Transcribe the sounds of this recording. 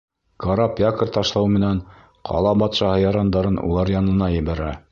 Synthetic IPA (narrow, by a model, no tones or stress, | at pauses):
kɑɾapʲjakɤ̆ɾt̪ɑʃlˠɑwmɘ̆næn | qʰɑ̰lˠɑbɑt̪ʃɑhɤjɑɾɑnd̪ɑɾɤnṵlˠɑɾjɑnɤ̆nɑjɘ̆βæɾæ